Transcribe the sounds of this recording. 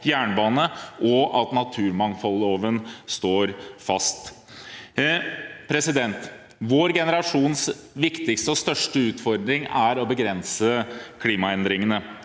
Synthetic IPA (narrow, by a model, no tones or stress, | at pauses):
jæːɳbɑːnəʔɔʔɑt̪nɑt̪ʰʉːɾmɑŋfɔlˠoːʋənst̪oːɾfɑst̪ | pʰɾɛsɪd̪ɛnt̪ | ʋoːɾɡɛnəɾɑʂuːns | ʋɪkt̪ɪkst̪əɔst̪œʂʈəʉːt̪fɔɾd̪ɾɪŋæɾɔbəɡɾɛnsəkʰliːmɑɛnd̪ɾɪŋənə